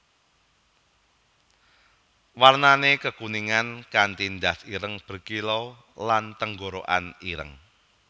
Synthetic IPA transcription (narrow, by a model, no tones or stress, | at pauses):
warnanekəkuniŋankant̪ind̪asiɾəŋb̥ə̤rkilo | lant̪əŋɡoɾoʔa̰niɾə̰ŋ